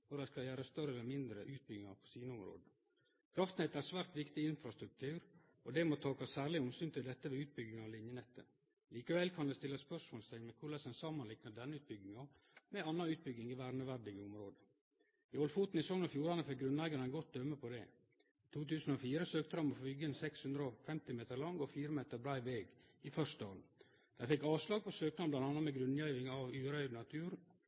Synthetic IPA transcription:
ʋɔɾæɪskɑljæːɾɑst̪œɾəɛləɾmɪnd̪ɾəʔʉːt̪̚bʏɡɪŋɑ̰ɾpʰɔ̥siːnəʊmɾo̰ːd̪ə | kʰɾɑft̪n̩heːt̪æɾsʋæːɾt̪ʋɪkt̪ɪɪnfɾɑst̪ɾʉk̚t̪ʰʉːɾ | ɔd̪ɛmot̪ʰɑːkɑssæːɾɭɪʊmsyːnt̪ʰɪld̪ɛt̪ːəʋɛʉːt̪̚bʏɡːɪŋɑɔlɪnjənɛt̪ːə̰ | liːkəʋɛlkʰɑnd̪ɛst̪ɪlːəspœʂmoːlst̪ʰɛɪmɛkʰʊɭɛsənsɑmːɑnlɪknəd̪ɛnːəʉːt̪̚bʏɡːɪŋɑ | mɛɑnːɑʉːt̪̚bʏɡɪŋɪʋæːɾnəʋæɖɪɡəʊmɾoːd̪ə | iɔlfuːt̪n̩ɪsɔŋnɔfjuːɾɑnəfɛk̚ɡɾʉnlæɪɡɑɾɛnɡɔt̪̚d̪œmːəpʰɔd̪ɛ̰ | it̪ʰuːt̪ʉːsn̩ofiːɾəsøːk̚t̪əhɑmɔfbʏɡəɛnsɛkshʉnd̪ɾəɔfɛmt̪ɪmeːt̪əɾɭɑŋɔfiːɾəmeːt̪əɾbɾæɪʋeːɡ | ɪfœʂt̪əɑ̰n | d̪̥æɪfɛkːɑːʋslɑːɡ̚pʰɔsøːkt̪əhɑnblɑnt̪ɑnːɑt̪mɛɡɾʉnjæɪʋɪŋɑʋʉːɾœʏd̪nɑt̪ʰʉːɾ

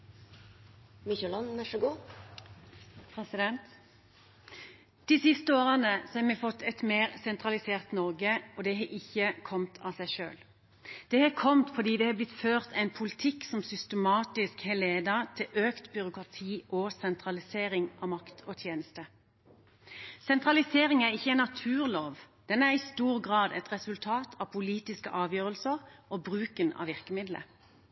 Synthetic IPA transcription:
mɪçɛlɑnæʂɔɡuː | pʰʁɛsɪd̪ɛnt̪ | d̪̥iːsɪst̪əoːʁənəsɔhɑːmɛfɔt̪ʰːɛt̪meːʁsɛnt̪ʁɑlɪseːʁt̪nɔʁɡəɔːd̪ɛɦɛʔɪçəkʰɔmt̪ʰɑːsæɪʃø̰ːl | d̪̥ɛhɑːkʰɔmt̪fɔʁd̪iːd̪ɛhɑːblɪt̪føːʁt̪æɪnpʰʊlɪt̪ʰɪksɔmsʏst̪əmɑːt̪ɪskheːleːd̪ɑt̪ʰɪlʔøːkt̪bʏɾʊkʁɑt̪ʰiːʔɔsɛnt̪ʰʁɑlɪseːɾɪŋʔɑmɑkt̪ʰɔt̪ʰjeːnəst̪ə | sɛnt̪ʁɑlɪseːʁɪŋæʁɪçːəɛnɑt̪ʰʉːʁloːʋ | d̪̥ɛnæʁɪst̪uːʁɡʁɑːd̪ɛ̰t̪ʁɛsʉlt̪ʰɑːt̪ʰɑpʰʊliːt̪ɪskəʔɑːʋjøːʁəlsəʁʔɔbʁʉːkənɑ̰ʋɪʁkəmɪd̪lə̰

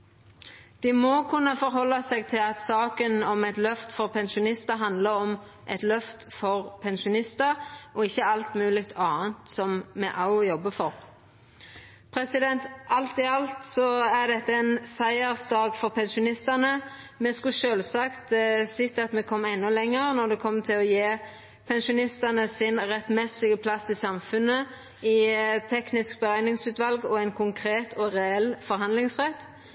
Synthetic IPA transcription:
d̪̥ɪmɔkʰʉnːəfɔɾɦɔlːɑsɛɡt̪ʰɪlɑt̪sɑːkənɔmɛt̪lœft̪fɔʁpʰɛnʃʊnɪst̪əɦɑnd̪ləɾɔm | ʔɛt̪lœft̪fɔʁpʰɛnʃʊnɪst̪əɾʔɔɪçːəɑlt̪mʉːlɪk̚t̪ʰɑːənt̪sɔmmɛʔɑʊjɔbːəfɔʁ | pʰʁɛsɪd̪ɛnt̪ʔɑlt̪ɪɑlt̪sɔæʁd̪ɛt̪ːəɛnsæɪəʁsd̪ɑːɡfɔʁpʰɛnʃʊnɪst̪ɑnəmɛskʉʃøːlsɑkt̪sɪt̪ːɑt̪mɛkʰɔmːɛnːʊlɛŋːəʁnɔʁd̪ɛkʰɔmːt̪ʰɪlɔjeː | pʰɛnʃʊnɪst̪ɑnəsɪnʁɛt̪mɛsɪɡəpʰlɑsɪsɑmfʉnːə | ɪt̪ʰɛknɪsk̚bəʁæɪnɪŋsʉːt̪ʋɑlɡɔæɪnkʰʊŋkʰʁeːt̪ʰɔʁɛɛlːfɔɾɦɑnd̪lɪŋsʁɛt̪ː

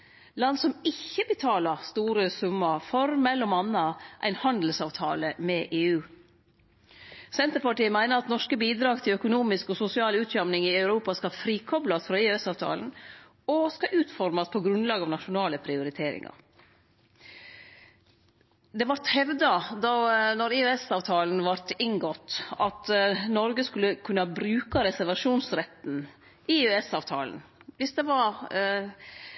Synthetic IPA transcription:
lɑnsɔmɪçːəbət̪ʰɑːlɑɾst̪uːɾəsʉmːɑfɔɾmɛlːɔmɑnːɑʔæ̰ɪnhɑnd̪l̩sɑːʋt̪ʰɑ̰ːləmɛʔeːʉː | sɛnt̪əɾpɑʈiːəmæɪnəɾɑt̪nɔʂkəbiːd̪ɾɑːɡt̪ʰɪlœkʊnuːmɪskɔsʊsɪɑːlʉːt̪ʃɑmnɪŋɪɑʉɾuːpɑskɑfɾiːkʰɔblɑsfɾɑeːɛsɑːʋt̪ʰɑ̰ːln̩ | ɔskɑʔʉːt̪fɔɾmɑspʰɔɡɾʉnlɑːɡɑʋnɑʃʊnɑːləpʰɾɪʊɾɪt̪ʰeːɾɪ̰ŋɑ̰ɾ | d̪ɛʋɑɾt̪hɛʋd̪ɑd̪ɑnɔɾɪøɛsɑːʋt̪ʰɑːln̩ʋɑɾt̪ɪŋɡɔt̪ːɑt̪nɔɾɡəskʉlːəkʰʉnːɑbɾʉːkɑɾɛsæɾʋɑʂuːnsɾɛt̪ːn̩ | ɪøɛsɑːʋt̪ʰɑ̰ːln̩ʋɪsd̪ɛʋɑɾ

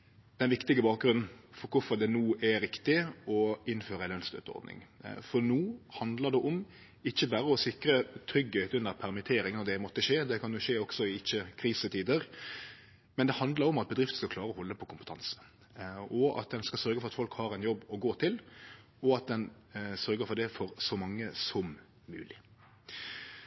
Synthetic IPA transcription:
d̪̥ɛnʋɪkt̪ɪɡəbɑːk̚ɡɾʉnn̩fɔɾkʰʊfɔɾd̪ɛnuːʔɛɾɪkt̪ɪɔɪnføːɾəɛnœnst̪ø̰ːt̪əɔ̰ɾd̪nɪ̰ŋfɔɾnuːhɑnd̪ləɾd̪ɛʔɔm | ɪçːəbæɾəɔsɪkɾət̪ʰɾʏɡheːt̪ʉnːəɾpʰæɾmɪt̪ʰeːɾɪŋnɔd̪ɛmɔt̪ːəʃeːd̪ɛkʰɑnjʊʃeːɔɡ̥sɔɪɪçːəkʰɾiːsət̪ʰiːd̪əʁ | mɛnd̪ɛhɑnd̪lɑɾɔmɑt̪̚bəd̪ɾɪft̪ə̥skɑkʰlɑːɾəɔhɔlːəpʰɔkʰʊmpət̪ʰɑnsə̥ | ɔɑ̰t̪̚d̪ɛnskɑsœɾɡəfɔɾɑt̪fɔlkhɑːɾɛɪnjɔbːɔɡoːt̪ʰɪl | ɔɑt̪̚d̪ɛnsœɾɡəɾfɔd̪ɛfɔɾsɔmɑŋːəsɔmː | ʉ̰ːlɪ

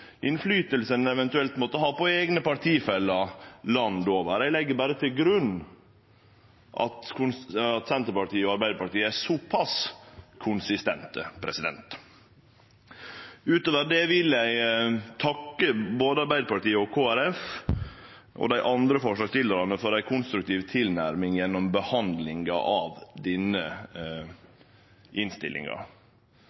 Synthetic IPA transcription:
ʔɪnflyːt̪əlsənɛʋɛnt̪ʉɛlt̪moːt̪əɦɑːpɔeːɡnəpɑɾʈ̪ʰiːfɛlːɑlɑnd̪oːʋəɾæɪlɛɡːəɾbæːɾət̪ʰɪlɡɾʉnː | ʔɑ̰t̪kʰʊnɑt̪sɛnt̪əɾpɑʈiːəɔɑɾbæɪd̪əɾpɑʈiːəæsɔpʰɑskʰʊnsɪst̪ɛ̰nt̪ə̰pʰɾɛ̰sɪd̪ɛ̰nt̪ | ʉːt̪oːʋəɾd̪eːʋɪljæɪt̪ʰɑkːəboːd̪əɑɾbæɪd̪əɾpɑʈ̪iːəɔkʰoːæɾɛf | ʔɔ̰d̪æɪʔɑnd̪ɾəfɔʂlɑːɡst̪ʰɪləɾɑnəfɔɾæɪkʰʊnst̪ɾʉk̚t̪ʰiːʋt̪ʰɪlnæɾmɪŋjɛnːɔmbəhɑnd̪lɪŋɡɑ̰ʔɑʋd̪ɪnə | ʔɪnst̪ɪ̰lʔɪ̰ŋɑ̰

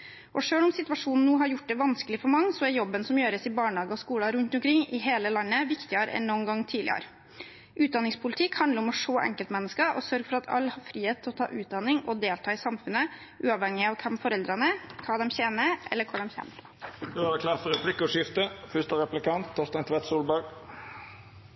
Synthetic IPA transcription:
ʔɔʂøːlɔmsɪt̪ʉʋɑʂuːnn̩nuːɦɑɾjʊʈ̚ːd̪ɛʋɑnskəlɪfɔɾmɑŋːəsɔæɾjɔbːənsɔmjøːɾəsɪbɑːɳɑːɡəɔskuːlɑɾʉnt̪ɔmkʰɾɪŋɪɦeːləlɑnːəʋɪkt̪ɪəɾə̰ɛ̰nːɔnɡɑŋːt̪ʰiːd̪lɪ̰ə̰ɾ | ʔʉːt̪̚d̪ɑnɪŋspʰʊlɪt̪ʰɪkhɑnd̪əɾɔmɔʂoːʔɛ̰ŋkəlt̪mɛnːəskəʔɔsœɾɡfɔɾɑt̪ʰɑ̰lːhɑɾfɾiːheːt̪ʰːɪlɔt̪ʰɑ̰ːʔʉːt̪̚d̪ɑnːɪŋʔɔd̪eːlt̪ʰɑːɪsɑmfʉnːə | ʔʉːɑʋhɛŋːɪɑʋkʰɛmfɔɾɛld̪ɾɑnəkʰɑːd̪ɛmçeːnəʔɛ̰lːəɾkʰʊd̪ɛmçɛ̰n | d̪ʉɑɾɛkʰlæːfɔɾɛpʰlɪkʊʂɪft̪əfʏst̪əɾɛplɪkɑnt̪ʰːɔst̪ɛnt̪ʰʋɛt̪suːlbɑɡ

